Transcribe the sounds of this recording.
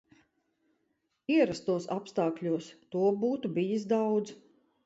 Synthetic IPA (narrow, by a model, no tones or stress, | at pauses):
iɛɾast̪uɔsapst̪aːkʎʲuɔst̪uɔbuːt̪ubijis̬d̪awd̪z